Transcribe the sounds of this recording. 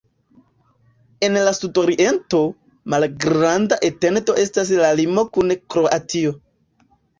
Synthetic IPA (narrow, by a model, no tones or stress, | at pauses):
e̞nlastutoɾiʔe̞nto̞ | malɡɾandaʔete̞nto̞ʔe̞stas̬lalimo̞kunkɾo̞ʔatio̞